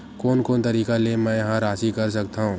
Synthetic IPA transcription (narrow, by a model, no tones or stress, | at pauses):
koːnkoːnt̪ɐɾiːkalemɛ̃ːjɐɦãɾaːsikɐɾs̬ɐk̚t̪aɦũː